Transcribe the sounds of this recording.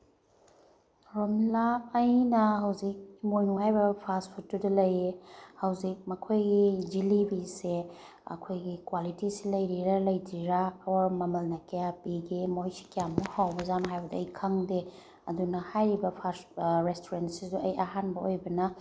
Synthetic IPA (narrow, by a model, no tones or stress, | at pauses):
ɾomlaːjnɐhɐwzik̚imojnuhajbɐpʰaspʰutːudɐlɐjehɐwzik̚mɐkʰojɡid͡ʒilibise | ɐ̰kʰojɡikwalitisilɐjɾiɾɐlɐjdiɾaːwɐɾmɐmɐlnɐkejapiɡemojsi̥kijamuhawbɐzamɦajbɐdɐɐjkʰɐŋde | ɐdunɐhajɾibɐpʰasɾestoɾentsizuɐjʔɐɦanbɐojbɐnɐ